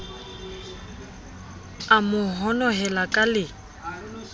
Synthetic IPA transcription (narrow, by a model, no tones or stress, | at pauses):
amʊɦɔnɔɦɛlakʼalɪ